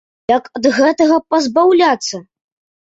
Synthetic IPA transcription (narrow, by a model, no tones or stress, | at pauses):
jɐkɐd̪ɣɛt̪ɐɣɐpɐzbawlʲat̪sːɐ